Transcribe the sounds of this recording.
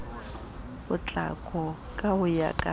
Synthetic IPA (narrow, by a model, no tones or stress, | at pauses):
bʊt͡ɬʼa̰kʼɔ | kʼabʊja̰kʼa